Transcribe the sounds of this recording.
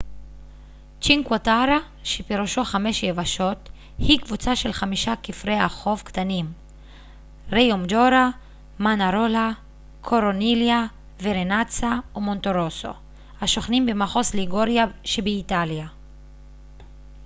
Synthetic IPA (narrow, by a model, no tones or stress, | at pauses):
t͡ʃiŋkwataɾa | ʃepeʁuʃo̞χameʃjevaʃo̞t | hikvut͡saʃe̞lχamiʃakifʁeaχo̞vkt̪anim | ʁejomdoɾa | manaɾola | kʰoɾonilja | veɾenat͡saumo̞nto̞ɾoso̞̰ | haʃo̞χnimbemaχo̞sliɡoɾjaʃebeitalja